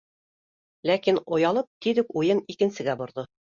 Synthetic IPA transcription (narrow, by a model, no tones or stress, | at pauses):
lækinŏjɑlˠɤp̚t̪iðɘkujɤnikɘ̆nsɘ̆ɡæbŏɾðɤ